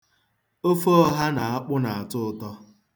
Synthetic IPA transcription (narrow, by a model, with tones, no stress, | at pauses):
o˦fo˦ɔ˦ɦa˦na˨a˦k͡pʊ˦na˨a˨tʊ˦˨tɔ˦